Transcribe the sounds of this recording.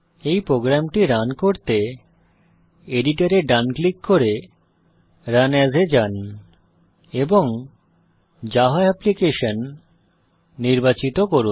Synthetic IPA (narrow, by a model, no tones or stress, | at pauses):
ejpɾoɡɾamʈiɾankoɾt̪e | eɖiʈaɾeɖanklikːoɾe | ɾanɛzʱed͡ʑan | eboŋ | d͡ʑaɦoɛplikeʃon | iɾbat͡ɕit̪okoɾun